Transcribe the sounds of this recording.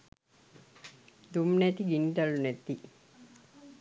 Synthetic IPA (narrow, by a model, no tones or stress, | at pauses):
d̪umnet̪iɡinʈ̪ɐlunet̪ːi